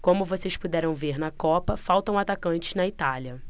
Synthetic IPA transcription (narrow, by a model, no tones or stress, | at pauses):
kõmʊvosejspud̪ɛɾɐ̃w̃veɾnɐkɔpɐfawt̪ɐ̃w̃at̪akɐ̃nt͡ʃɪ̥znɐit̪aliɐ